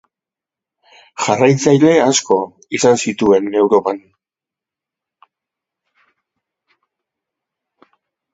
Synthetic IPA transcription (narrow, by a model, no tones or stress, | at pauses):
ʝarajt͡sajle̞asko̞ | isansit̪ue̞ne̞wɾo̞pan